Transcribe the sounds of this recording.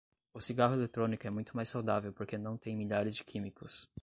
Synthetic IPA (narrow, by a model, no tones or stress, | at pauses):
ʊsiɡaɦʊelet̪ɾõnikʊɛmũj̃t̪ʊmajsːawd̪avewpoɾkenɐ̃w̃t̪ẽj̃miʎaɾɪzd͡ʒɪkʰĩmikʊs